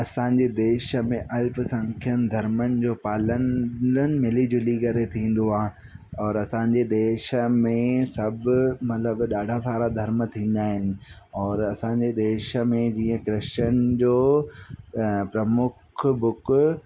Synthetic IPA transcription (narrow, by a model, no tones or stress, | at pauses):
ɐsãːɲd͡ʑed̪eːʃə̆mẽʔɐlfsɐ̃ŋkʰijənɪd̪ʱɐɾmənɪ̆d͡ʑoːpaːlənənɪ̆mɪlid͡ʑʊlikɐɾet̪ʰĩːn̆d̪oaːɦ | ɔːɾɐsãːɲd͡ʑed̪eːʃə̆mẽsɐbɪmɐt̪ləbɗaːɖʱasaːɾad̪ʱɐɾmət̪ʰĩːn̆d̪aːɦɪnɪ̆ɔːɾɐsãɲd͡ʑed̪eːʃmẽd͡ʑiːə̃kɾɪənɪ̆d͡ʑoː | pɾɐmʊkʰbʊk